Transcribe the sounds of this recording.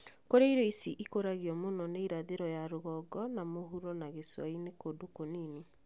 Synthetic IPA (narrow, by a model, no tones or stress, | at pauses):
koɾeiɾoisiʔikoɾaɣiɔmonɔneiɾaðeɾɔjaɾoɣɔɡɔnamoɦuɾɔnaɣeswainekodokoniːne